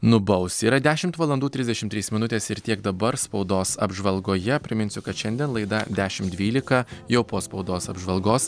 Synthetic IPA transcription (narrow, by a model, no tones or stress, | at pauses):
nʊbɐʊsiːɾɐd̪ʲæːʃʲɪmt̪ʋɐlˠɐnd̪uːt̪ʲɾʲɪzʲd̪ʲɛʃʲɪmt̪ʲɾʲiːsmʲɪnʊt̪ʲeːsɪɾt̪ʲiɛɡd̪ɐbɐɾspɒʊd̪oːsɐ̰bʒʋɐlˠɡoːjɛpʲɾʲɪmʲɪnʲsʲʊkɐt̪ʃʲɛnʲd̪ʲiɛnlˠɐɪd̪ɐd̪ʲæːʃʲɪmd̪ʲʋʲiːlʲɪkɐjɛʊpoːspɒʊd̪oːsɐbʒʋɐlˠɡoːs